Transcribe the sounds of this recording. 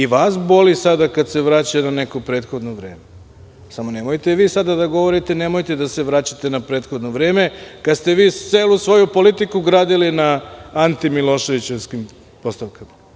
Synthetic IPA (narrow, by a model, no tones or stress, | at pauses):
iʋaːsbo̞lisad̪akad̪seʋɾaːt͡ɕanane̞kopɾe̞ːd̪xo̞d̪noʋɾe̞ːme | samo̞ne̞mojt̪eʋiːsad̪ad̪aɡo̞ʋo̞ɾit̪e̞ne̞mo̞jt̪ed̪ase̞ʋɾaːt͡ɕat̪e̞napɾe̞ːt̪xo̞d̪noʋɾe̞ːme̞kad̪st̪e̞ʋiːt̪eːlusʋo̞jupo̞lit̪ikuɡɾaːd̪ilinaant̪imilo̞ʃe̞ʋit͡ɕeʋskim | po̞st̪aʋkama